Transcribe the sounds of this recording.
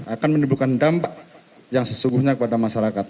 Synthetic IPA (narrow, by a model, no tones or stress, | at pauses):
akanmənəbukandampaʔ | jaŋsəsuŋɡuhɲakəpadamaʃaɾakat̪̚